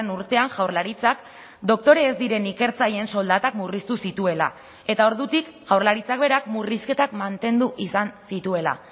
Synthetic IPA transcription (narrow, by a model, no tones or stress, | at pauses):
enuɾt̪e̞aŋʝawɾlaɾit͡sak | d̪o̞k̚t̪o̞ɾeːzd̪iɾe̞nike̞ɾt͡saje̞ːnso̞ld̪at̪akmurist̪usit̪ue̞la̰ | e̞t̪ao̞ɾðut̪ikʝawɾlaɾit͡sak̚be̞ɾakmuriske̞t̪akmant̪e̞nd̪uʔisansit̪ue̞la̰